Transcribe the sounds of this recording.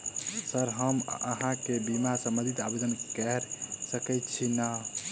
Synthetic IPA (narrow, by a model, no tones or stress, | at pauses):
səɾɦəmə̰ɦãkebimasə̃mbə̃nd̪ʱit̪abed̪ənkɛɾsəkəjt̪t͡ʃʰina